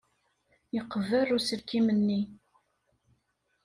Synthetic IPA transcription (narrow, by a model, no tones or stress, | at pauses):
jəqːəvərʊsəɾkːimənːi